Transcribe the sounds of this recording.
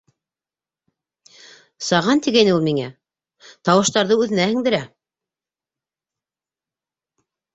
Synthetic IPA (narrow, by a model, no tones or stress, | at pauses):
sɑʁɑnt̪iɡæjnɘulˠmiŋæ | t̪ɑwɤ̆ʃt̪ɑɾðɤʉðɘ̆næhɘ̆ŋd̪ɘ̆ɾæ